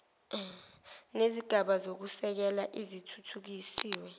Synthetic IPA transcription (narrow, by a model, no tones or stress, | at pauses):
neziɡ̥ʱaɓazok̬usɛk̬ɛlaʔizitʰutʰuk̬isiːwɛ